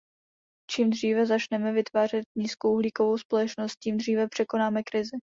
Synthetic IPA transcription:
t͡ʃiːmd̪riːvɛzat͡ʃnɛmɛvɪt̪vaːr̝ɛt̪̚ɲiːskowʔuɦliːko̞vowspo̞lɛt͡ʃnost̪̚ciːmd̪r̝iːvɛpr̝̥ɛko̞naːmɛkɾɪzɪ

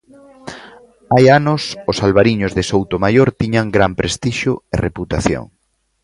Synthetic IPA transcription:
ajanʊsʊsalβaɾiɲʊzðesowt̪omajoɾt̪iɲaŋɡɾampɾest̪iʃʊḛreput̪aθjo̰ŋ

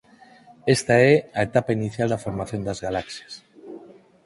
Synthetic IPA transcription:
est̪aeaet̪apainiθjald̪afoɾmaθjond̪azɣalaksjas

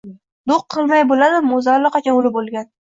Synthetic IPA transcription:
d̪oqʰːɨlˠmajbolad̪ɪmozaɾlɨqɑt͡ʃʰɒnʊlɪbolˠɡʲan

